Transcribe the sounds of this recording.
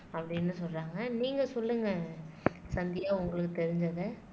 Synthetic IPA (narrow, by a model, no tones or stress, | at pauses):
ɐpːɐɽɪnːɯsɔlraːŋɡɐniːŋɡɐsɔlːɯŋɡɐ | sɐnd̪ɪjaːʊŋɡɐɭɯkːɯt̪ɛɾɪɲd͡ʒɐðɯ